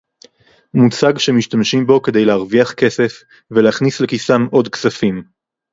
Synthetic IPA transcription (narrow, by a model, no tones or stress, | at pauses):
mut͡saɡʃemiʃtamʃimbo̞ke̞dejleaʁviaχke̞se̞f | veleaχnisle̞kisamʔo̞dksafim